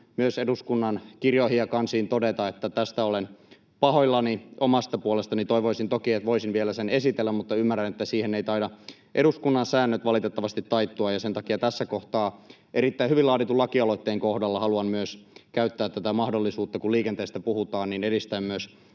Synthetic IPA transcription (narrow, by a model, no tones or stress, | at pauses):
myøseduskunːɑnkirjohiɑkɑnsiːnt̪odet̪ɑet̪ːæt̪æst̪æolen | pɑhoilːɑniomɑst̪ɑpuolest̪ɑnit̪oiʋoisint̪okiet̪ʋoisinʋielæsenesit̪elːæmmut̪ːɑymːærːænet̪ːæsiːheneit̪ɑidɑ | ʔeɾuskunːɑnsæːnːøt̪ʋɑlit̪et̪ːɑʋɑst̪it̪ːɑit̪ːuɑjɑsent̪ɑkiɑt̪æsːækoht̪ɑːʔeɾit̪ːæihyʋilɑːt̪it̪ulɑkiɑloit̪ːeːŋkohdɑlːɑhɑluɑnmyøskæyt̪ːæːt̪ːæt̪æmɑhdolːisuːt̪ːɑkuliːkent̪eːst̪æpuhut̪ɑːnniːneɾist̪æmmyøs